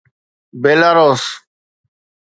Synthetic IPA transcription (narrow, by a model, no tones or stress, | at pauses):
beːlaːɾoːs